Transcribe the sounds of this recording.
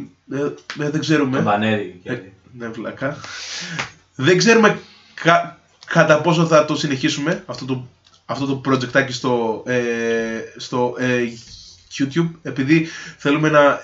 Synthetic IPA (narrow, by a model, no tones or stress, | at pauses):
eðeɡze̞ɾumevɐneɾi | nevlɐ̰kɐ | ðeɡze̞ɾume̞ | kɐ | kɐt̪ɐpo̞soθɐt̪o̞sine̞çisume̞ɐft̪ot̪o | ɐft̪ot̪opɾod͡ʑe̞k̚t̪ɐcist̪o̞e | st̪o̞ʔe | ʝut̪çub̚e̞piðiθe̞lume̞nɐ